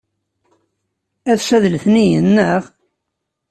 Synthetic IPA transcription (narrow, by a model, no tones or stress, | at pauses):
æðʃæðlθnijənːəʁ